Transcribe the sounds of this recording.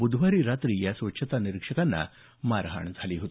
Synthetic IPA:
bud̪ʱʋaɾiːɾat̪ɾiːjasʋətːɕʰət̪aniɾikʂəkanːa̰ | maɾɦa̰ɳd͡zʱaliːɦot̪i

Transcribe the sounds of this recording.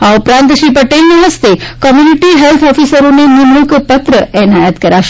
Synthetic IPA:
aupɾãnt̪ʃipəʈelneɦəst̪ekɔmjuniʈiɦɛlt̪ʰɔfisəɾonenimukpət̪ɾəɛnajət̪kəɾaʃ

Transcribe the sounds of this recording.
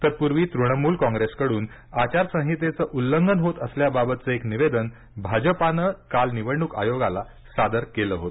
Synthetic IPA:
t̪əɾpuɾʋiːt̪ɾuɳ̃əmuːlkɔ̃ŋɡɾeskəɽuːn | at͡ɕaɾsə̃ɦit̪et͡səʔulːəŋɡənɦot̪əsljababət̪̚t͡səekniʋed̪ən | bʱad͡ʑəpanəkalniʋəɽɳuka̰joɡala | sad̪əɾkeləɦot̪

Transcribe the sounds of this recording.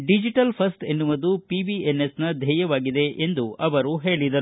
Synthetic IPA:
ɖid͡ʒiʈɐlpʰɐsʈenːuʋɐd̪upibienːesnɐd̪ʱɛːjɐʋaːɡid̪e̞ʔend̪uʔɐʋɐɾuɦe̞ːɭid̪ɐɾu

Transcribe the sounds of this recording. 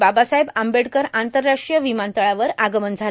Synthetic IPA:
babasaɦebambeɽkəɾant̪əɾːaʂʈijəʋimant̪əɭaʋəɾaɡəmənd͡zʱa

